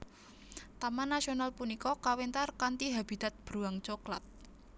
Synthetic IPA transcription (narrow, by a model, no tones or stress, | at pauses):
t̪amanːasionalpunikɔkawent̪arkant̪iɦab̥i̤d̪̥a̤t̪̚b̥ɾuaŋt͡ʃokla̰t̪̚